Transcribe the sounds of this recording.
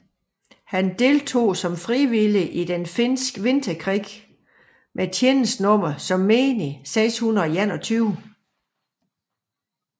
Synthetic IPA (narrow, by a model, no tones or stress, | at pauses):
hænd̥e̝lt͡sʰo̝̰ːsɒ̽mfʁiʋiliʔid̥enfensɡ̥ʋe̝nd̥ɐkʰʁiɡ̥ | mʔet͡sʰen̩snɔ̽m̰ɐsɒ̽mːe̝ːniseɪshunɐæn̰ɒt͡sʰyːʊ